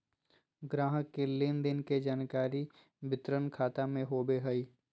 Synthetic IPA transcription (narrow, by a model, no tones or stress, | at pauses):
ɡɾaːɦəkːelɪnd̪ɪnked͡ʒaːnkaːɾi | bɪt̪ɾənkʰaːt̪amẽɦoːbeɦəiː